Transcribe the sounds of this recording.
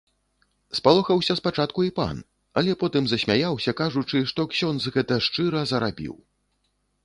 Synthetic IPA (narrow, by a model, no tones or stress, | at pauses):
spalˠɔxɐwsʲɐspat͡ʂat̪kuipa̰n | ɐlʲɛpɔt̪ɨmzɐsʲmʲajawsʲɐkaʐut͡ʂɨʂt̪ɔksʲɔnzɣɛt̪ɐʂt͡ʂɨɾɐzɐɾabʲḭw